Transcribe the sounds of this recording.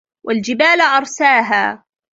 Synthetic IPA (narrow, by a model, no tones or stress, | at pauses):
wʔald͡ʒɪbaːlʕɑɾˤsaːɦaː